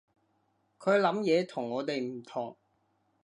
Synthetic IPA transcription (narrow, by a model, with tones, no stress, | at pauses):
kʰɵ˨˧ɥlɐ˨˥mjɛː˨˧t̪ʰʊ˨˩ŋːɔː˨˧t̪e˨jm̩˨˩t̪ʰʊ˨˩ŋ